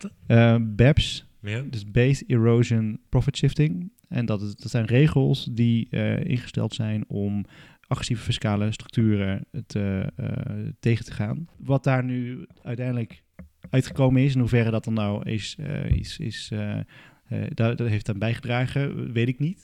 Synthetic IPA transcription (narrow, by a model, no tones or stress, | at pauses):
bɛps | dəsbejsiɹowʒənpɹɔfətʃɪftɪŋ | ɛnttsɛjnrejχəlˠsdiɪ̰nχəstɛ̰lˠtsɛjnɔm | ʔɑχrɛsivəfɪskaːləstrɵ̥k̚tyːrətʰəətejχətə̥χaːnʋɑt̚daːɹnyœɥtɛjndələk | œɥtχəkowmənɪsɪnɦuvɛrədɑt̚dɑnːawɪ̰sḭsɪ̰s | ddtɦejftanbɛjχədraːχəʋejtɪknit